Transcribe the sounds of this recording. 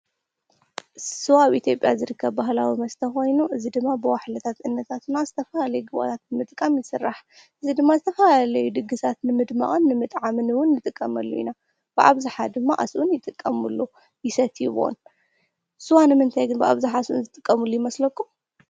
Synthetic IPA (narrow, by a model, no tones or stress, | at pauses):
sɨwaβʔit̪ʰjo̞pʼjazɨɾɨkːɐβbaɦlawimɐst̪ʰɐxo̞jnuʔɨzid̪ɨmːabɨwaħlɐt̪ʰat̪ʔɨnːɐt̪ʰat̪ɨnazɨt̪ʰɐfɐlalɐjuɡɨβo̰t̪ʰat̪̚nɨmɨt̪ʼkʼːamjɪsɨrːaħ | ʔɨzid̪ɨmːazɨt̪ʰɐfalalɐjud̪ɨɡɨsʰat̪nɨmɨd̪ma̰ʔʼɨnːɨmɨt̪ʼʕamɨnɨwʊnːɨt̪ʼɨkʼːɐmɐlːṵḭna | b̥ɨʔa̰βzɨħad̪ɨmːaʔa̰sʔunjɪt̪ʼɨkʼːɐmulːu | jɪsɐt̪ʰjiβo̰n | sɨwanɨmɨnt̪ʰajɡɨnbɨʔa̰βzɨħasʔunzɨt̪ʼɨkʼːɐmulːujɪmɐslɐkːu